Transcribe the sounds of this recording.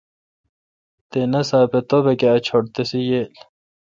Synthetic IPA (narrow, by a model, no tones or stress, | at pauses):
t̪enɐsaːpet̪obekeɐt͡ɕʰoɽt̪esijel